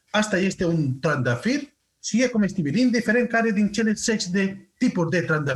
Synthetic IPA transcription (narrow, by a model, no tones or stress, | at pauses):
ast̪ajest̪eunt̪ɾand̪afiɾ | siɣekomest̪iβilind̪ifeɾeŋkaɾeðint͡ʃelesːet͡ʃd̪et̪ipozd̪et̪ɾand̪a